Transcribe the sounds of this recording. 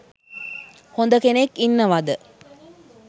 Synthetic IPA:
hond̪əkenekːinːəʋad̪ə

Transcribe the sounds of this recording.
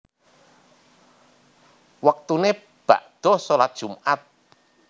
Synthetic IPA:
wak̚t̪une | b̥a̰ʔd̪̥ɔ̤solat̪̚d̥ʒ̥umʔat̪̚

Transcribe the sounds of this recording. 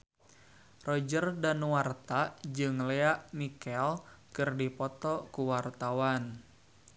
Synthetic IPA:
rɔd͡ʒərdanwart̪ad͡ʒɨŋleaʔmikɛlkɨrdipɔt̪ɔkuwart̪awan

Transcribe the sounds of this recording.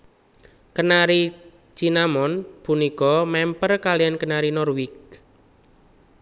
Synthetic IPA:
kənaɾi̥ | t͡ʃinamɔnpunikɔmɛmpərkalijankənaɾinɔrwɪk̚

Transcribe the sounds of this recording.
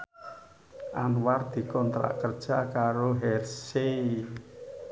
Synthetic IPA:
ʔanward̪̥i̤kɔnt̪ɾa̰ʔkərd̥ʒ̥a̤kaɾoɦɛrsei

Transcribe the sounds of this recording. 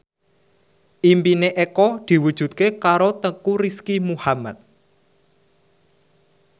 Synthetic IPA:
ʔimpineʔekɔd̪̥i̤wud̥ʒ̥ṳt̪̚kekaɾot̪əkuɾiskimuhamat̪̚

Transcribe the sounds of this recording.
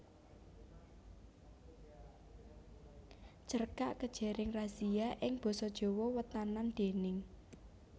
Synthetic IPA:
t͡ʃərkaʔkəd̥ʒ̥e̤ɾɪŋraziaʔɪŋb̥ɔ̤sɔd̥ʒ̥ɔ̤wɔwət̪anand̪̥e̤nɪŋ

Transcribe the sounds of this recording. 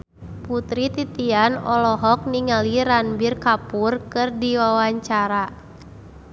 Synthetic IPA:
put̪ɾit̪it̪ianɔlɔɦɔk̚niŋaliɾanbirkapurkɨrdiwawaɲt͡ʃaɾa

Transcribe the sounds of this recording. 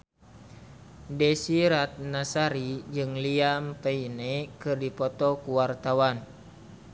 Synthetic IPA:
desiɾat̪̚nasaɾid͡ʒɨŋliampeinekɨrdipɔt̪ɔkuwart̪awan

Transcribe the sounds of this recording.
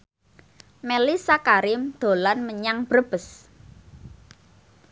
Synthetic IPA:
melisakaɾɪmd̪̥o̤lanməɲaŋb̥ɾəb̥əs

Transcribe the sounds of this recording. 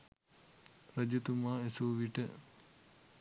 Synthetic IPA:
ɾəd͡ʒut̪umaːesuʋiʈə

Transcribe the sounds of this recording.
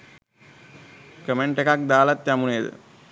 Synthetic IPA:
kəmeɳʈekak̚d̪aːlat̪jamuneːd̪ə̰

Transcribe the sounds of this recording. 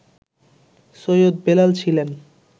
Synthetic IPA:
sojod̪̚belalt͡ɕʰilen

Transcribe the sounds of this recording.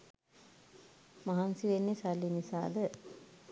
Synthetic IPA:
maɦansiʋenːesalːinisa̰ːd̪ə

